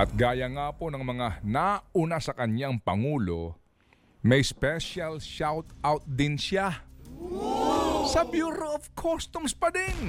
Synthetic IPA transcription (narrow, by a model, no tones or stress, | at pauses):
ʔɐt̪̚ɡaːjɐŋaːponɐŋmɐŋanaunasɐkɐɲaŋpɐŋuːlo̰ | mɐjspɛʃalʃawt̪awt̪̚d̪ɪnʃa | sɐbjuːɾoʔovkʰost̪ʊmspɐd̪ɪn